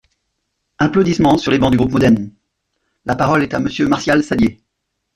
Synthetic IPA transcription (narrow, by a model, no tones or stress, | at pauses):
ɛ̃plod̪ismɑ̃syʁlebɑ̃d̪yɡʁupmɔd̪ɛʁn | lapaʁɔlɛt̪aməsjømaʁsjalsad̪je